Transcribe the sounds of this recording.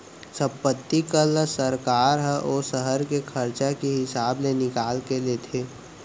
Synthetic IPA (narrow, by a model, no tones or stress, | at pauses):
sə̃mpət̪ːikəlsəɾkaːɾɦəʔoːsəɦəɾkekʰəɾt͡ʃakeɦɪsaːbnenɪkaːlkeleːt̪ʰeː